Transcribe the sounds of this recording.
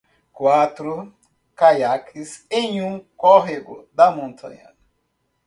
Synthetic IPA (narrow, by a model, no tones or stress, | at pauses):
kwat̪ɾu | kajakʰiseɲũŋkɔɦeɡo̰d̪amõnt̪ʰa̰ɲa̰n